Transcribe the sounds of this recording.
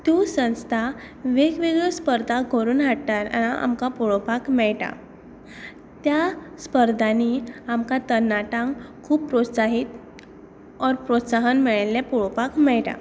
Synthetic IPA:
t̪jusə̃w̃st̪ʰa | ʋeɡʋiɡəspəɾd̪ʱaɡʱoɾuːnɦaɽt̪aɾnaʔa̰mkapuɭopakmɛɭʈa̰ | t̪jaspəɾd̪ʱaniamkat̪ənːaʈãŋkʰuːb̚pɾot̪saɦit̪ | ɔɾpɾot̪saɦənmɛɭlepuɭopakmɛɭʈa̰

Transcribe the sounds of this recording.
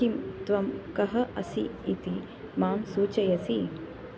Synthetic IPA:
imt̪ʋɐmkɐɦɐʔɐsḭit̪i | maːmsuːt͡ʃɐjɐsi

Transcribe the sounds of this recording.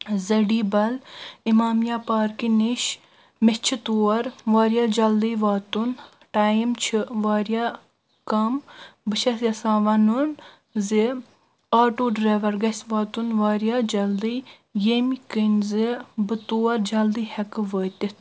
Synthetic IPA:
zɐɖiːbɐlimaːmjaːpaːɾkiniʃ | met͡ʃʰit̪uɐɾʋaːɾjaːd͡ʒɐld̪iːʋaːt̪un | ʈaːjimt͡ʃʰiʋaːɾja | kɐmbɨʃɐsjɐsãːʋɐnun | ze | aːʈoːɖɾaːʋɐɾɡɐsʲʋaːt̪unʋaːɾjaːd͡ʒɐld̪ij | jemikənzebɨt̪uːɐɾd͡ʒɐld̪iːhɐkɨʋəːt̪it̪

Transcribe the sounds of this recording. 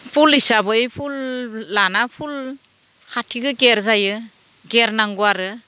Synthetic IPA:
pʰulisabɯjpʰulːanapʰul | kʰatʰiɡɯɡeɾzajɯ | ɡeɾnaŋɡuaɾɯ

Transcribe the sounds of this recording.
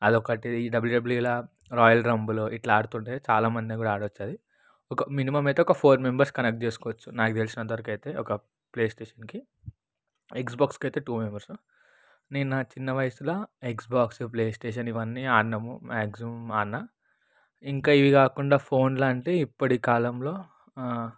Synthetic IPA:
ɐd̪ɔkɐʈiiɖɐbɐljuɖɐbljula | ɾɔːjɐlɾɐmbuloʔiʈlaaːɽut̪uːɳʈeːt͡ʃaːlaːmɐnd̪ikuːɽaaːɽʋɐt͡ʃːaːd̪i | ɔkɐminimɐmɐjt̪eɔkɐpʰoːɾmembɐɾskɐnek̚ʈ̚t͡ʃe̞ːsu̥kɔːʋɐt͡ʃːunaːkit̪elsinɐnt̪ɐʋɐɾɐkɐjt̪e̞ːɔkɐ | ple̞ːsʈeːʂɐnki | eksbaːkskɐjt̪e̞ːʈuːmembɐɾsu | ninːɐt͡ʃinːɐʋɐjɐsulɐeksbaːksup̬leːsʈeːʃ̬ɐniʋɐnːiaːnːɐmumaːksimaːnːa | iŋkaːiʋikaːkuɳɖaːpʰo̞ːnlaːɳʈeːipːɐʈikaːlɐmlo̞ː

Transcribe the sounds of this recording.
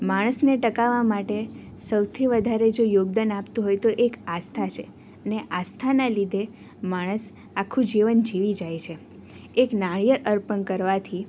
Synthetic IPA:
maɽ̃əsneʈəkaʋamaʈe | səwt̪ʰiʋəd̪ʱaɾed͡ʒojoɡd̪anapt̪ũɦojt̪oʔekast̪ʰat͡ʃʰe | əneʔast̪ʰanalid̪ʱe | maɽ̃əs | akʰːũd͡ʒiʋənd͡ʒiʋid͡ʒajt͡ʃʰe | eknaɭjəɾʔəɾpənkəɾʋat̪ʰi

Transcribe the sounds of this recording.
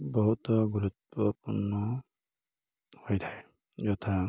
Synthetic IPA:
bɔɦut̪ɔɡuɾut̪ɔpṵnːɔ | hojtʰa | d͡ʒɔt̪ʰa

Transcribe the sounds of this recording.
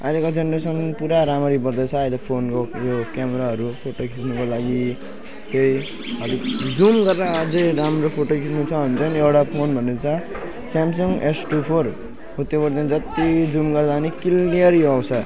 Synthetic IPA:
alekod͡zʌnɾesʌnpuɾaɾamʌɾibʌrd̪ʌt͡sʰʌːjlepʰonkojokameɾaɦʌɾupʰoʈokʰisnukolaɡi | t̪ej | ɦʌlikd͡zumɡʌrːad͡zejɾamropʰoʈokʰisnut͡sʰʌɦunt͡sʰʌnewʈapʰonbʱʌnːet͡sʰʌ | samsʌŋɡʔesʈupʰor | ut̪ːjobʌɾd̪ʌnd͡zʌt̪id͡zumɡʌrd̪anikilniʌɾjoʌwsʰʌ

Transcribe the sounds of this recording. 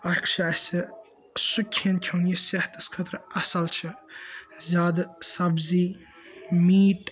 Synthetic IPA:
ɐkʃɐɐsʲɨ | sukʲʰːenkʲʰonjiseht̪ʰɐskʰət̪ɾɐsɐlt͡ʃʰɨ | zʲaːd̪sɐbziː | miːʈʼ

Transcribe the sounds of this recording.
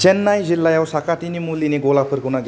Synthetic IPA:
t͡ʃenːajd͡ʑilːajawsakaʈ̪inimulineɡolapʰəɾkuñaɡ

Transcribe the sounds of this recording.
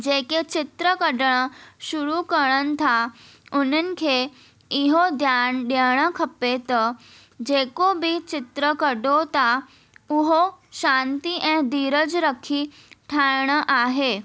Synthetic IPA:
d͡ʑeket͡ɕɪt̪ɾəkəɖɳ̃əʃuɾukəɭənt̪ʰaun̤ənɪ̆kʰe | iɦod̪ʱjanɗaɽ̃əkʰəpet̪ə | d͡ʑekobʱit͡ɕɪt̪ɾəkəɖot̪a | uɦoʃãnt̪iʔɛ̃d̪iːɾəd͡zɾəkʰi | ʈʰaɭɳ̃əʔaɦe

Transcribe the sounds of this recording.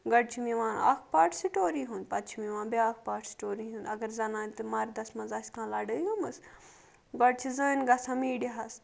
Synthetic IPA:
ɡɐɽ̚t͡ʃʰimiʋãːna̰kpaːʈʰsiʈoːɾiːɦunpɐt̪t͡ʃʰimĩʋãːbeaːkpaːʈʰsi̥ʈoːɾiɦũnɐɡɐɾzɐnãːnt̪ɨmaːɾd̪ɐsmɐzaːsʲkʰãːlaːɖəːiɡɐmɐs | ɡɐɽ̚t͡ʃʰizəːnɡɐsãmiːɖiɦɐs

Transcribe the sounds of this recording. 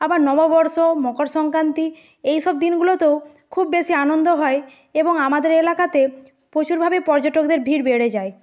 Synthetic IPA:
abaɾnɔbabɔɾʃomɔkoɾʃɔŋkɾant̪i | ejʃɔb̚d̪inɡulot̪ew | kʰubːeʃianond̪oɦɔe | eboŋamad̪eɾelakat̪e | pɾot͡ɕuɾbʱabepɔɾd͡ʑoʈokd̪eɾbʱiɾbeɽed͡ʑae

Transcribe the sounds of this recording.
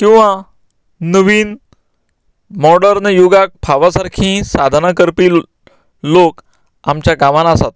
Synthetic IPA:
kĩw̃ʋa | nəʋiːn | mɔɖəɾnjuɡak̚pʰaʋasaɾkʰĩsad̪ʱnakəɾpiː | lok | amt͡ɕjaɡaʋanasat̪̚

